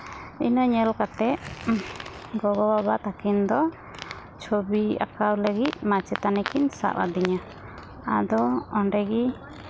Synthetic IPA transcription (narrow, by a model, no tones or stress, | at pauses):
ḭnaɲɛlkat̪ɛʔ | ɡɔbɔbabaʔt̪akind̪ɔ | t͡ʃʰobia̰kawləɡit̪̚mat͡ʃɛt̪anɛkinsa̰ʔa̰d̪iɲa | ad̪ɔɔnɖɛɡi